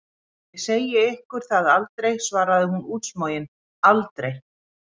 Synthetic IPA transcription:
ɛseːjɪɪhkʏɾ̥θaðalt̪ɾejsvaːɾaðɪhunuːt̪smoːjɪn | alt̪ɾej

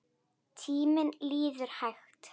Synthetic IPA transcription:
tʰiːmɪnliːðəɾhaxtʰ

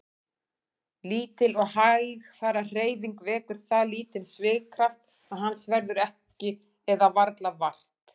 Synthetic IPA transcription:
liːt̪ɪlɔɣhajɣfaːɾar̥eːjviŋkvɛːkʏɾ̥θaðliːt̪ɪlsvɪːɣkʰɾaft̪ | aðɦanːsvɛɾðʏɾɛh | cɪ | ɛðavaɾt̪lavar̥t̪

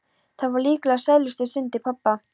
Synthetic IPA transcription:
θaðvaɾliːklasɛðlʏst̪ʏsʏnt̪ɪpʰapːa

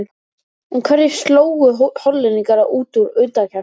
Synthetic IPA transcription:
n | unkʰvɛɾðɪ̥st̪loːwɣʏhɔlːɪniŋkaɾaʔuːt̪uɾʏt̪acʰa

